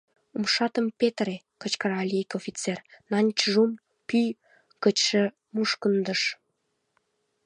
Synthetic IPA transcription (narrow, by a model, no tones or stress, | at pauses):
umʃɑt̪əmpet̪re | kə̆t͡ɕkəɾɑlʲiikofʲit͡sernɑnʲt͡ɕʒum | pyj | kət͡ɕʃĕ | muʃkənd̪əʃ